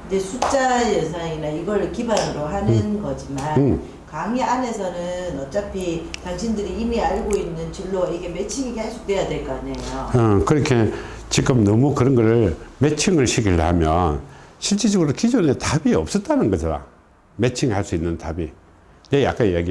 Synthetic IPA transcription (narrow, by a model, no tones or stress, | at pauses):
nde̞sʰut͡ɕ͈ajesʰainaiɡʌɭkibanɯɾohanɯnɡʌd͡ʑimanɯ | kaŋiane̞sʰʌnɯnʌt͡ɕ͈apʰitaŋɕʰindɯɾiːmiaɭɡoinːɯnt͡ɕiɭːoiɡe̞me̞t͡ɕʰiŋiɡehaɭs͈u̥twe̞jadwe̞ɭk͈anejo̰ʌkɯɾʌkʰe̞ | t͡ɕik͈ɯmnʌmukɯɾʌnɡʌɾɯɭme̞t͡ɕʰiŋɯɭɕʰikʰiɾɦamjʌnɕʰiɭt͡ɕ͈ed͡ʑʌɡɯɾokid͡ʑonetabiʌp̚s͈ʌt̚t͈anɯnɡʌsʰaɾa̰ | met͡ɕʰiŋhaɭs͈uinːɯntabi | neja̰k͈anijaɡi